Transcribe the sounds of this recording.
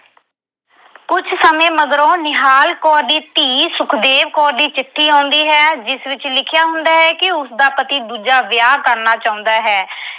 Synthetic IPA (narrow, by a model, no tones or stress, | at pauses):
kʊt͡ʃʰsəmẽːməd̪ɾõːnɪɦaːlkɔːɾd̪iːt̪iːsʊkʰd̪eːʋkɔːɾd̪iːt͡ʃɪʈʰːiːãːnd̪iːɦɛːd͡ʒɪsʋɪt͡ʃlɪkʰɪjaːɦʊ̃nd̪aːɦɛːkɪʊsd̪aːpət̪iːd̪uːd͡ʒaːʋjaːkəɾnaːt͡ʃaːʊ̃nd̪aːɦɛː